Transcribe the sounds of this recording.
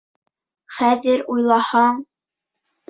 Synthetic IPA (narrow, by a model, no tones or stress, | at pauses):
χæðɘɾujlˠɑhɑɴ